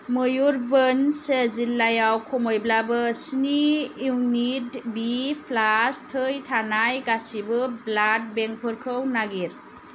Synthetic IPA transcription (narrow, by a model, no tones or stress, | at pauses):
mɯjuɾbɯnsezilːajawkʰɔmojblabɯsniuŋnitbipʰlastʰɯjtʰanajɡasibɯblat̚beŋk̚pʰɯɾkʰɯwnaɡiɾ